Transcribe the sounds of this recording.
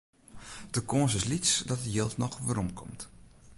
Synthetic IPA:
d̥əkonsɪslit͡sdɔtəjelˠtnɔxʋəɾɔmkʰɔ̰mt

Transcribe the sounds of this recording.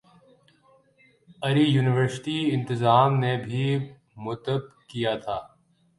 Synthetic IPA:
ɐɾijuːnɪʋəɾsɪ̥ʈiɪ̃nt̪ɪzaːmnebʱi | mʊt̪əb̚kijat̪ʰaː

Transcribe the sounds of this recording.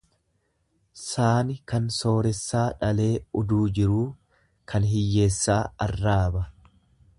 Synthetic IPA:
saːnɪkɐnso̞ːɾɛsːaːᶑɐle̞ːʊd̪uːd͡ʒɪɾuː | kʰɐnɦɪjːe̞ːsːaːɐrːaːbɐ

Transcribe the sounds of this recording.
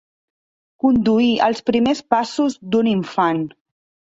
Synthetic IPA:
kund̪uiə̰lˠspɾimespasuzd̪uniɱfan

